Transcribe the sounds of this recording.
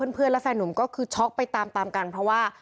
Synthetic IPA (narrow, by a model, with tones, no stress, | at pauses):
ɤː˥˨npʰɯ˥˩ənlɛ˦˥fɛː˧˩nːu˩˦mkɔː˥˩kʰɯː˧t͡ɕʰɔ˦˥k̚pa˧jt̪aː˧mt̪aː˧mkaː˧npʰɾɔ˦˥waː˥˩